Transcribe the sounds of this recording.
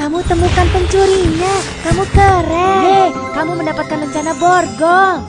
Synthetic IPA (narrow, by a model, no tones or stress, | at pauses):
kamut̪əmukanpəɲt͡ʃuɾiɲakamukəɾɛe | kamuməndapat̪̚kanləɲt͡ʃanabɔrɡɔ